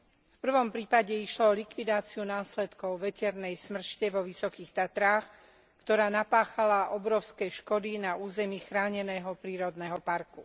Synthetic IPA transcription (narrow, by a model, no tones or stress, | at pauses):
fpr̩ʋɔmpɾiːpaɟɛiʃlɔɔlikʋid̪aːt͡siunaːslɛt̪kɔʊʋɛcɛɾnɛjsmr̩ʃcɛʋɔʋisɔkiːxt̪at̪ɾaːx | kt̪ɔɾaːnapaːxalaʔɔbɾɔʊskɛʃkɔd̪inauːzɛmiːxɾaːɲɛnɛːɦɔpɾiːɾɔd̪nɛɦɔpaɾku